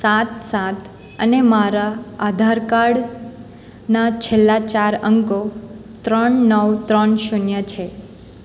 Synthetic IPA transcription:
sat̪sat̪ʰ | ənemaɾaad̪ʱaɾkaɽ | nat͡ʃʰelːat͡ʃaɾəŋko | t̪ɾəɳnəwt̪ɾəɳʃunjət͡ʃʰe

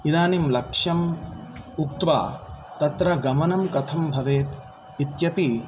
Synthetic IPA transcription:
id̪aːnimlɐkʂɐm | uk̚t̪ʋa̰ːt̪ɐt̪ɾɐɡɐmɐnɐmkɐt̪ʰɐmbʱɐʋeːt̪ | it̪jɐpi

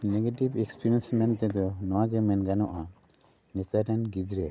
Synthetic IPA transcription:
nɛɡeʈibɛkspiɾiɛnsmɛnt̪ɛd̪ɔnɔwaɡɛmɛnɡanɔʔa | nist̪aʈɛnɡid͡ʒɾɛ

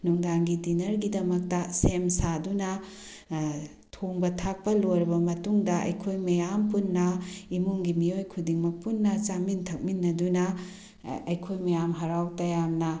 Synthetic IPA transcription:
nuŋdaŋɡidinɐɾɡidɐmɐk̚tɐsemsadunɐ | tʰoŋbɐtʰak̚pɐloɾɐbɐmɐtuŋdɐʔɐ̰jkʰojmɐjampunːɐimuŋɡimiojkʰudiŋmɐk̚punːɐt͡ʃamintʰɐk̚minːɐdunɐ | ɐjkʰojmɐjamɦɐɾawtɐjamnɐ

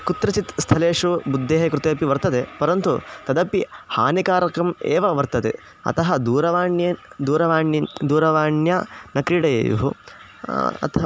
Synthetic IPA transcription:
kut̪ɾɐt͡ʃit̪st̪ʰɐleːʂubud̪ʱːeːɦɐkɾut̪eːpiʋɐɾt̪ɐt̪epɐɾɐnt̪ut̪ɐd̪ɐpiha̰ːnikaːɾɐkɐmḛːʋɐʋɐɾt̪ɐt̪ḛ | ɐ̰t̪ɐɦɐd̪uːɾɐʋaːɳjɐd̪uːɾɐʋaːd̪uːɾɐʋaːɳjɐnɐkɾiɽɐjḛːjṵɦu | ɐ̰t̪ʰ

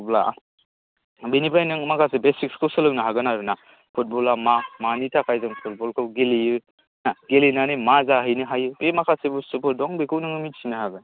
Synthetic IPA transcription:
bla̰ | binipʰajnɯŋmakʰasebesikskosɯlɯwnaɦaɡɯnaɾɯna | pʰut̚bɔlamamanitʰakʰajzɯŋpʰut̚bɔlkʰɯwɡelijɯ | naɡelinanimazaɦɯjnɯɦajɯbemakʰasebusupʰodɔŋbekʰɯwnɯŋɯmisʰinaɦaɡɯ

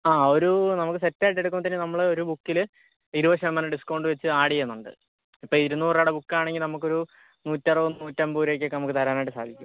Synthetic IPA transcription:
aːo̞ɾunɐmukːɨsetːaːjʈːeɽuk̬ːumːɐt̪ɐnːenɐmːɐɭo̞ɾubukːil | iɾuʋɐɕɐmːɐnɐɖiskːoɳɖɨʋet͡ɕːɨaːɽienːuɳɖɨ̰ | ipːoːɭiɾunːupuraːɽebukːaːɳeŋɡilnɐmukːo̞ɾu | nuːtːɐrɨʋunnːuːtːɐmbuːɾe̞ːk̬ʲːokːenɐmukːɨt̪ɐɾaːnaːjʈːɨsa̰ːd̪ʱikʲːṵm

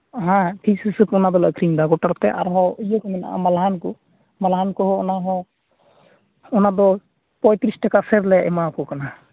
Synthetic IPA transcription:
ɦãʈʰiksisɯt̪ɔnad̪ɔla̰kʰɾiŋd̪aɡɔʈaɾt̪ɛʔa̰ɾɦɔujɔkɔmɛna̰a̰malɦankɔ | malɦankɔɦɔɔnaɦɔ | ɔnad̪ɔ | pɔjt̪ɾisʈɛkasɛɾlɛjaʔɛmakɔkana

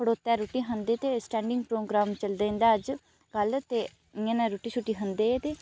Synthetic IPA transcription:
əɽoːt̪ːɛːɾoːʈiːɦənd̪eːt̪eːsʈɛ̃ːɳɖɪŋɡ̚pɾoːɡɾaːmt͡ʃəld̪eːɪ̃nd̪aːəd͡ʒ | ɡəlt̪eː | ɪãːnãɾoːʈiːt͡ʃʰuʈːiːɦənd̪eːet̪eː

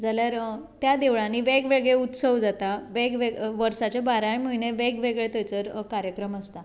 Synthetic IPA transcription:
d͡zaljaɾ | t̪jad̪eʋɭãniːʋeɡʋeɡɭeut̪səʋd͡zat̪aʋeɡʋeʋəɾsat͡ɕabaɾaɭimiɳeʋeɡʋeɡɭet̪ət͡səɾkaɾjəkɾəməst̪a

